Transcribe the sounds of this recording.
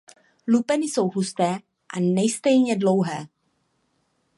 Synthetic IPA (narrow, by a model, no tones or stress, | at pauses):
lupɛnɪso̞wɦust̪ɛː | ʔanɛjst̪ɛjɲɛdlo̞wɦɛː